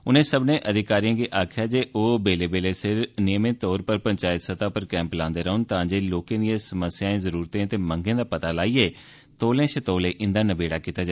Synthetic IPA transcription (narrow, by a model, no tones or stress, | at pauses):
ʊnẽːsəbnẽːʔəd̪ɪkaːɾijãːɡiːʔaːkʰjaːd͡ʒeːʔoːbeːleːbeːleːsɪɾnɪjəmẽːt̪ɔːɾpəɾpəɲt͡ʃaːɪt̪sət̪aːpəɾkɛ̃ːmplãːnd̪eːɾəːʊnt̪ãːd͡ʒeːloːkẽːd̪iãːsəməsjãːẽːzəɾuːɾt̪ẽːt̪eːməŋɡẽːd̪aːpət̪aːlaːiːeː | t̪oːlẽːʃət̪oːlẽːʔɪ̃nd̪aːnəbeːɽaːkiːt̪aːd͡ʒa